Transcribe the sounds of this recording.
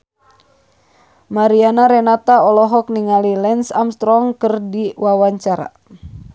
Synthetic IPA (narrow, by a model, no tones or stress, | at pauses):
maɾianaɾɛnat̪aɔlɔɦɔk̚niŋalilɛnsamst̪ɾɔŋkərdiwawaɲt͡ʃaɾa̰